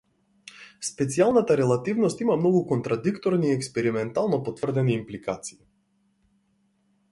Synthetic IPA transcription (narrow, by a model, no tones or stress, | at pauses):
spɛt̪sialˠnat̪aɾɛlˠat̪ivnɔst̪imamnɔɡukɔnt̪ɾad̪ikt̪ɔɾniːɛkspɛɾimɛnt̪alˠnɔpɔt̪vrd̪ɛniːmplikat̪si̥i